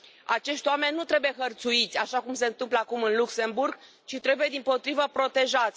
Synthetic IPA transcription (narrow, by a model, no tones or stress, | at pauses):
at͡ʃe̞ʃt̪ʲwame̞nʲːut̪ɾe̞buje̞ɦərt̪suit̪sʲaʃakumse̞ɨnt̪ɨmpləakumɨnlukse̞mburɡ | t͡ʃit̪ɾe̞buje̞d̪impo̞t̪ɾivəpɾo̞t̪e̞ʒat̪sʲ